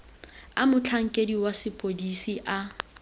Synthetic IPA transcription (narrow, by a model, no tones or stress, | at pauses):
amʊt͡ɬʰaŋ̩kʼediwasɪpʼodisiʔa